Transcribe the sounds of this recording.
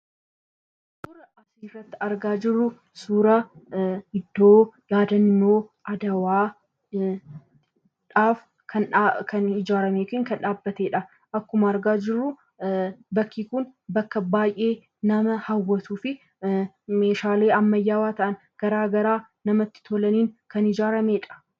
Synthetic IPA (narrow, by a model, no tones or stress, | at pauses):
sʊɾɐɐsiːrːɐt̪ːɪ̥ɐɾɡaːd͡ʒɪrːʊ | suːɾɐhɪd̪ːoːjaːd̪ɐnːoːʔɐd̪ɐwaː | ᶑaːf | kʰɐnkɐnhɪd͡ʒaːɾɐmeːkɪŋkɐnᶑaːbːɐt̪e̞ːᶑɐ | ʔɐkːʊmɐːɾɡaːd͡ʒɪrːʊ | bɐkːiːkʊnbɐkːɐbaːjʔe̞ː | nɐmɐhɐwːɐt̪uːfɪ | me̞ːʃaːle̞ːɐmːɐjːaːwaːt̪ɐʔɐn | ɡ̥ɐɾaːɡɐɾaː | nɐmɐt̪ːɪ̥t̪ʰɔlɐniːŋkɐnɪd͡ʒaːɾɐmeːᶑɐ̥